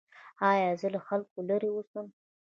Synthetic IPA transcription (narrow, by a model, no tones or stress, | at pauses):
ɑjɑzəlaxalkolaɾiwusəm